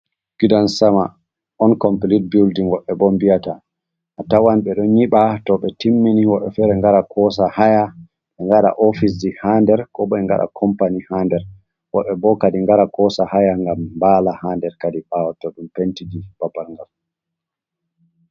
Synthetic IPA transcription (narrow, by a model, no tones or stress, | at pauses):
ɡ̥idansama | ɔnkɔmpilit̚bildiŋwɔɓːɛbɔmbijataː | tawanɓɛɗɔnɲiɓatɔɓɛtimːiniwɔɓːɛfɛɾɛŋɡaɾakʰɔs̬ahaja | ɓɛŋɡaɗa̰ʔɔfis̬dihandɛɾkɔɓɔɛŋɡa̰ɗa̰kʰɔmpanihandɛɾ | wɔɓːɛbɔkadiŋɡaɾakɔsahajaŋɡambalahandɛɾkadiɓawatɔɗumpentid͡ʒib̥abalŋɡal